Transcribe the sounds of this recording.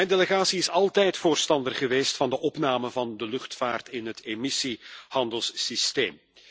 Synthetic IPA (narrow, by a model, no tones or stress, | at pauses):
mɛndeləɣaːsiɪsɑlˠtɛjtfoːrstɑndərχəʋeːstfɑndəʔɔpnaːməvɑndəlɵxtfaːrtɪnɦətemisihɑndəlˠsːisteːm